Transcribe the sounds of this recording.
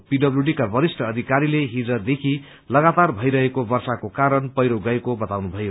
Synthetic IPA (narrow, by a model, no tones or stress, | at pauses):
piɖʌbljuɖikabʌɾisʈʰʌːd̪ʱikaɾileɦid͡zʌd̪ekʰi | lʌɡat̪arbʱʌjɾʌɦekobʌrsakokaɾʌnpʌjɾoɡʌekobʌt̪awnubʱʌjo